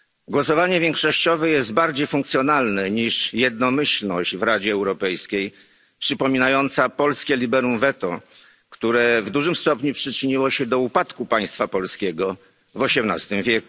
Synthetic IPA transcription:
ɡwɔsɔvaɲɛvʲjɛŋkʂɔɕt͡ɕɔvɛjɛzd̪̚baɾd͡ʑejfuŋkt̪sjɔnalnɛɲiʂjɛd̪̚nɔmɘɕlnɔʑd͡ʑvɾad͡ʑɛːwɾɔpɛjskʲej | pʂɘpɔmʲinajɔnt̪sapɔlskʲɛlʲibɛɾumvɛt̪ɔ̰ | kt̪uɾɛvd̪uʐɘmst̪ɔpɲupʂɘt͡ʂɘɲiwɔɕɛd̪ɔupat̪kupaj̃st̪fapɔlskʲɛɡɔ | vɔɕɛmna̰st̪ɘmvʲjɛku̥

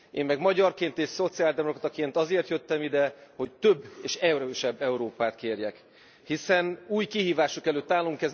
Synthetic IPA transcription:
eːmːɛɡmɒɟɒrkeːnt̪eːʃso̞t̪siaːld̪ɛmokrt̪ɒkeːnt̪ɒzeːrt̪jøt̪ːɛmid̪ɛho̞ct̪øbːeːʃɛuɾøːʃɛbːɛuɾoːpaːt̪keːrjɛk | hisɛnuːjkiɦiːvaːʃokɛløːt̪ːaːlːuŋkɛz

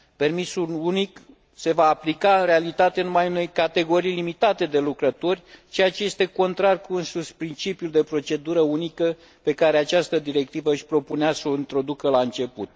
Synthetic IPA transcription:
pe̞rmisulunik | se̞vaːplikaɨnɾe̞alit̪at̪eɨnumajune̞jkat̪e̞ɡo̞ɾijlimit̪at̪e̞d̪e̞lukɾət̪o̞rʲt͡ʃejat͡ʃe̞je̞st̪e̞ko̞nt̪ɾarkuɨnsuspɾint͡ʃipjuld̪e̞pɾo̞t͡ʃe̞d̪uɾəunikə | pe̞kaɾe̞at͡ʃast̪əd̪iɾe̞k̚t̪ivəɨʃʲpɾo̞puneasəoint̪ɾo̞d̪ukəlaɨnt͡ʃe̞pṵt̪̚

